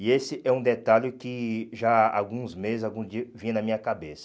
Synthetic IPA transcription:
ɪesɪʔɛũd̪et̪alɪkɪʒaa̰wɡũzmezɪzawɡũzd͡ʒiɐvĩɐ̃nɐmĩɲɐkabesɐ

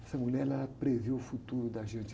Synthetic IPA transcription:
ɛsɐmuʎɛɾɛlɐpɾevewʊfut̪uɾʊd̪ɐʒẽnt͡ʃ

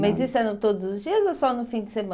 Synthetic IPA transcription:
mɐjzisʊɛnɐ̃t̪od̪ʊzʊzd͡ʒiɐzosɔnʊfĩd͡ʒ̪ɪsemɐ̃

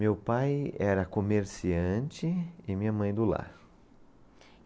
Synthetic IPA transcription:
mewpajɛɾɐkomeɾsiɐ̃nt͡ʃɪɪmĩɲɐmɐ̃j̃d̪ʊla̰ɾ

